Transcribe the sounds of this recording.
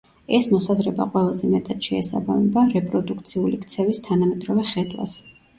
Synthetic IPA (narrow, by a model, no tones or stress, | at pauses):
ɛsmɔsazɾɛba̰qʼwɛlˠazɛmɛt̪ʼat̪ʃɛːsa̰ba̰mɛbaɾɛpʼɾɔd̪ukʰt̪sʰiulikʰt̪sʰɛvist̪ʰanamɛd̪ɾɔvɛχɛd̪wa̰s